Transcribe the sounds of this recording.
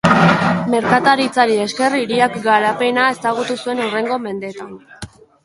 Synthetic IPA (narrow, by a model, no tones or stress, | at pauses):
me̞ɾkat̪aɾit͡saɾie̞ske̞riɾiakɡaɾape̞nae̞saɣ̞ut̪usue̞nure̞ŋɡo̞me̞nd̪e̞t̪an